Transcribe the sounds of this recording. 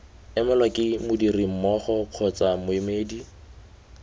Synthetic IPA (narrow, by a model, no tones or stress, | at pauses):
ɛmalwakʼɪmʊdirim̩mɔχɔq͡χʰɔt͡samʊɪmeːdi